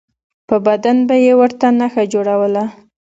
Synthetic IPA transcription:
pəbad̪anbajewəɾt̪anaxad͡ʒoɽawəla

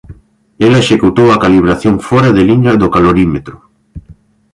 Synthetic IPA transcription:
elaeʃekut̪owakaliβ̞ɾaθjoɱfoɾaðeliɲaðokaloɾimet̪ɾo

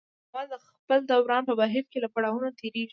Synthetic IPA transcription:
mɑd̪ə | pəld̪awɾɑnpəbaɦɪfkelapaɽɑwunot̪eɾeʒi

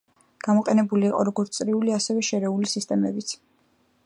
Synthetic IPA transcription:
ɡ̥amɔqʼɛnɛbuliːqʼɔ̰ɾɔɡɔɾt̪sʼɾiuliasɛvɛʃɛɾɛulisist̪ʼɛmɛbit̪sʰ

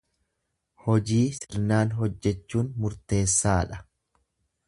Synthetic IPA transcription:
hɔd͡ʒiːsɪɾnaːnɦɔd͡ʒːɛt͡ʃːuːnmʊɾt̪e̞ːsːaːᶑɐ̥

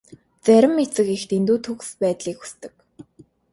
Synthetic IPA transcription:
t͡sæɾʲɪ̆mːet͡sɘ̆kext̪ent̪uːt̪ʰuɣ̆spæːt̪ɮiːku̥st̪ɘ̆k

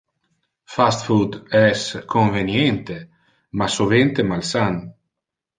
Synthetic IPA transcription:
fast̪fud̪ɛskʰoɱvenjent̪e | masovent̪emalsan

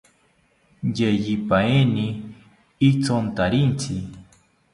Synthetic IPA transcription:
jejipaeni | it͡sont̪aɾint͡sʰi

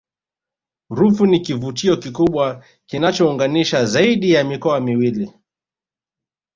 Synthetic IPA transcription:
ɾufunikivutiɔkikuɓwa | kinat͡ʃɔuŋɡaniʃazaiɗijamikɔamiwili

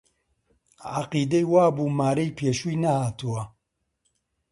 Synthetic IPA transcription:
ʕaqiːd̪ejwaːbuːmaːɾejpʰeːʃujnɐhaːt̪uwɐ

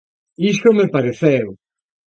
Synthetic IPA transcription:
isomepaɾeθɛw

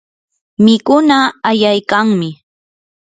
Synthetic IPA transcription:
mɪkʊnaːjajkaŋmɪ

